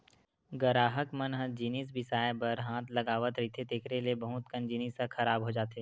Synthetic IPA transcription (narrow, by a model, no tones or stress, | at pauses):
ɡəɾaːɦəkmənɦəd͡ʒinis̬bɪsaːjebəɾɦãːt̪ʰlɐɡaːʋət̪ɾɐɦit̪ʰet̪ekʰɾeliebɐɦʊt̪kə̃nd͡ʒiːnisɐxʰɐɾaːbɦoːd͡ʒaːt̪eː